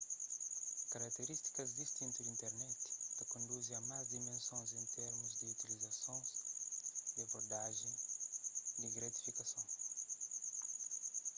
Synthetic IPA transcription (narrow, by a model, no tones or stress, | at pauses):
kɐɾɐkt̪eɾist̪i̥kɐzd̪ist̪ĩnt̪ud̪ĩnt̪ɛɾnɛt̪i̥t̪ɐkõnd̪uzẽɐmazd̪imẽnsõzẽnt̪ʰɛɾmuzd̪iut̪ilizɐsõs | d̪iɐboɾd̪aʒẽj̃ | d̪iɡɾɐt̪i̥fikɐsõw̃